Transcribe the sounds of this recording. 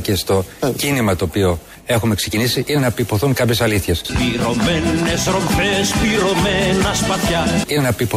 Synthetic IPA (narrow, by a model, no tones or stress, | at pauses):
ce̞st̪o̞cinimɐt̪o̞ːpio̞ | e̞xume̞kse̞cinisiine̞nɐpipo̞θuŋkɐpçe̞sɐliθçe̞spiɾo̞menesɾo̞mfespiɾo̞menɐspɐt̪çɐinenɐpipo